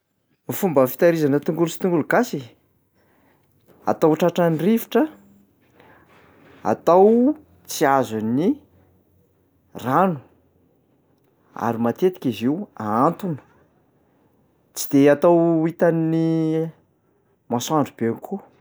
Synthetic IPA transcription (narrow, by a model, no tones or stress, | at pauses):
mifumbəfi̥t̪aɾizanət̪uŋɡulusi̥t̪uŋɡuluɡasi | a̰t̪awʈ͡ʂaʈ͡ʂanirivi̥ʈ͡ʂə | a̰t̪aw | t͡siazani | ranu̥ | a̰ɾimat̪et̪i̥kʲiziwaant̪unə̥ | t͡si̥d̪̥eat̪awit̪anni | masaɳɖ͡ʐub̥eanikʰu